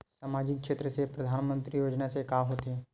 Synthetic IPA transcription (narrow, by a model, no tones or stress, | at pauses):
saːmaːd͡ʒɪkkʃeːt̪ɾəsepɾɐd̪ʱaːnmə̃nt̪ɾijoːd͡ʒnasekaɦoːt̪ɦɛ